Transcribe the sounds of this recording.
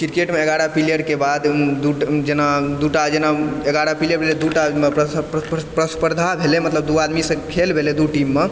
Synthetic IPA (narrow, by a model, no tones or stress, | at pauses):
kiɾkeʈmeeɡaɾapilijəɾkebad̪d̪uʈd͡ʒenad̪uʈad͡ʒenaeɡaɾapilijəɾbʱeled̪uʈa | pɾəspəɾd̪ʱabʱelemət̪ləbd̪uad̪misə̃kʰelbʱeled̪uʈimːe